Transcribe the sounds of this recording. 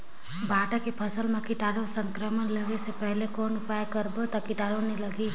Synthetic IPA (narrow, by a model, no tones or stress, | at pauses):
bʱaːʈakepʰɐsəlmẽkɪʈaːɽosə̃ŋkɾəmənləɡesepɛɦlekɔːnʊpaːjkəɾbot̪akɪʈaːɽonilɐɡiː